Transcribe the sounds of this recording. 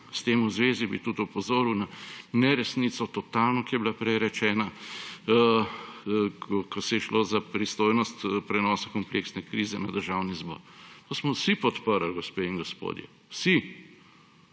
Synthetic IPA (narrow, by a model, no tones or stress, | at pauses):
st̪eːmuzʋeːzibḭt̪ut̪upɔzoːɾuwnanɛɾɛsnit̪sɔt̪ɔt̪aːlnɔkijɛbilapɾɛjɾɛt͡ʃɛːna | kɔsɛjɛʃloːzapɾist̪oːjnɔst̪pɾɛnɔːsakɔmpleksnɛkɾiːzɛnad̪əɾʒawnizbɔ̰ːɾt̪osmɔwsipɔt̪pəɾəlɡɔspeiŋɡɔspo̰ːd̪jɛ̰ | wsi